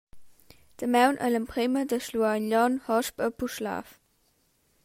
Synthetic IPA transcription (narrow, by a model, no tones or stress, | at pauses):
d̥əmɛwnʔə̰ləmpʁemədəʃluaɪnʎɑnhɑʃpəpʰuʃla̰ːf